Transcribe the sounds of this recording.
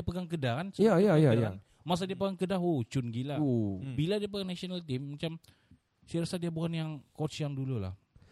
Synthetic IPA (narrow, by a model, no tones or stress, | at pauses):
diapəɡaŋkədakansəajajaaan | mas̬adiap̬əɡaŋkədaɦot͡ʃʊnɡilabiladiap̬əɡaŋnasionalt̪ɪmːat͡ʃam | siɾasadiabukanjaŋkot͡ʃjaŋdulula̰h